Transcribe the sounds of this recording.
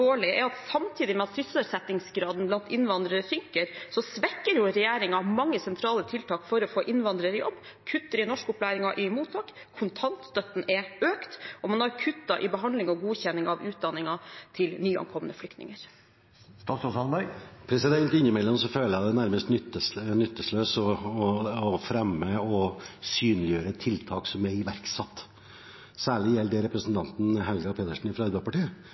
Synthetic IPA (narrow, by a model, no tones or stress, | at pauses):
oːɭɪəʔɛɾɑt̪sɑmt̪ʰiːd̪ɪmɛɑt̪sʏsəsɛt̪ɪŋsɡɾɑːd̪n̩blɑnt̪ɪnʋɑnd̪ɾəɾsʏŋkəɾsɔsʋɛkːəɾjʊɾɛjeːɾɪŋɑmɑŋːəsɛnt̪ʰɾɑːlət̪ʰɪlt̪ʰɑːkfɔɾɔfoːʔɪnʋɑnd̪ɾəɾɪjɔ̰bː | kʰʉt̪ːəɾɪnɔʂkəʊplæːɾɪŋɑʔɪmuːt̪ʰːɑːk | kʰʊnt̪ʰɑnt̪st̪œt̪n̩ɛøːkt̪ʔɔmɑnɑɾkʰʉt̪ːɑʔɪbəɦɑnd̪lɪŋɔɡuːçɛnːɪŋɑʋʉːt̪̚d̪ɑnːɪŋɑt̪ʰɪlnyːɑ̰ŋkʰɔmə̰nəflʏkt̪nɪ̰ŋəɾ | st̪ɑːt̪sɔsɑnbæpʰɾɛsɪd̪ɛnt̪ɪnːəmɛlːɔmsɔføːləjæd̪ɛnæɾməst̪nʏt̪ːəsnʏt̪ːəsløːsɔː | fɾɛmːəɔsyːnlɪjøːɾət̪ʰɪlt̪ʰɑːksɔmɛɪʋæɾksɑt̪ː | sæːɭɪjɛlːd̪ɛɾɛpɾəsn̩t̪ʰɑnt̪n̩ɦɛlɡɑpʰeːt̪əʂn̩ɪfɾɑɑɾbæpʰɑʈiːə